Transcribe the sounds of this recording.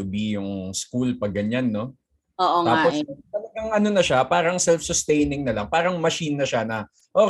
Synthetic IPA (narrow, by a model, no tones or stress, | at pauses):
ʊbijʊŋskulpɐɡɐɲanːo̞ | oːʔotaːposɐt̪ɐlɐɡaŋʔɐno̞nɐʃapaːɾɐŋsɛlfsʊst̪ejnɪŋnɐlɐŋpaːɾɐŋmɐʃinːɐʃanɐ | ʔo